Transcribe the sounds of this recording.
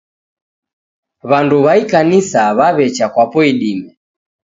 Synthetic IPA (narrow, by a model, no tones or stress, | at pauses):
βanduβaikanisaβaβɛt͡ʃakwapɔiɗimɛ